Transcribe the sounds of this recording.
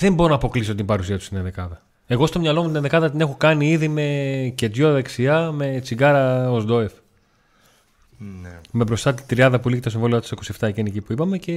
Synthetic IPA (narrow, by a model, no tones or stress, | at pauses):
ðembo̞ɾonɐːpo̞kliso̞t̪imbɐɾusiɐt̪u̥st̪inenðekɐðɐ | e̞ɣo̞st̪o̞mɲɐlo̞mut̪inenðekɐðɐt̪̬ine̞xo̞kɐniiðime̞ce̞t̪joðeksiɐme̞t͡siɡɐɾɐozd̪o̞ef | me̞bɾo̞st̪ɐt̪it̪ɾiɐnðɐpulicit̪osiɱvo̞liot̪ɐt̪isoko̞sie̞ft̪ɐʝenicipuipɐme̞ce̞